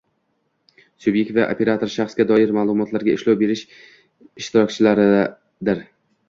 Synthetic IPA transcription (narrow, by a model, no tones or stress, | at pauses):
subje̞k̚ʲt̪vaʔopʰe̞ɾat̪ʰo̞ɾʃaχsɡʲad̪ɒɪɾmaːlˠʊmɒt̪ʰlaɾɡʲaɪʃlawbe̞ɾɪʃ | ɪʃt̪ɪɾɒkʲt͡ʃʰɪlaɾɪ | d̪ɪɾ